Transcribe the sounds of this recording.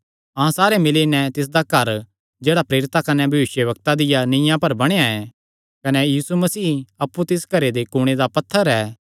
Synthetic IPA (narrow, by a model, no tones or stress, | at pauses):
ɐ̃ãsaːɾemɪlenɛ̃t̪ɪs̬d̪akɐɾ | d͡ʒeːɽapɾeːɾɪt̪akɐnɛbʱɐʋɪʃjəʋɐkt̪ad̪ɪjanɪ̃jãpɐɾbɐɽ̃ejaɛ | kɐnɛjiːsumɐsiːɐpːut̪ɪsɡʱɐɾed̪ekʊɽ̃ed̪apɐt̪ʰːəɾɛː